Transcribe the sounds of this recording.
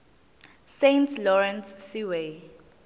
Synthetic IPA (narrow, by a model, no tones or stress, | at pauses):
sentʰlɔɹɛ̃nsːiwe